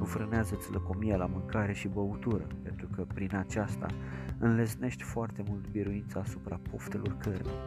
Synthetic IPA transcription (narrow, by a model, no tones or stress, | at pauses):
ufɾəneazət̪siləko̞mijelamɨŋkaɾe̞ʃibəut̪uɾə̰pe̞nt̪ɾukəpɾinat͡ʃast̪a̰ɨnlesne̞ʃt̪ʲfoart̪e̞mult̪biɾuint̪saːsupɾapo̞ft̪e̞lʔo̞̰rkʰərnḛ